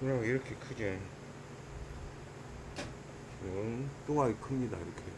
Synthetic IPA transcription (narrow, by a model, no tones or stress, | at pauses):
kɯɾʌiɾʌkʰe̞kʰɯd͡ʑin | inɯnt͈oŋaikʰɯmɲida̰iɾʌkʰe